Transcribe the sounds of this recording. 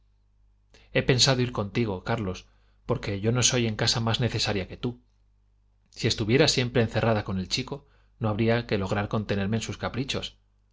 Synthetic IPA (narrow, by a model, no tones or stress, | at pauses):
e̞pe̞nsaðo̞iɾko̞nt̪iɣ̞o̞kaɾlo̞s | po̞ɾke̞ʝo̞no̞so̞je̞ŋkasamazne̞θe̞saɾjake̞t̪u | sie̞st̪uβje̞ɾasje̞mpɾe̞ːnθe̞rʔaðako̞nelt͡ʃiko̞ | no̞aβɾiake̞lo̞ɣ̞ɾaɾko̞nt̪e̞ne̞ɾmeːnsuskapɾit͡ʃo̞s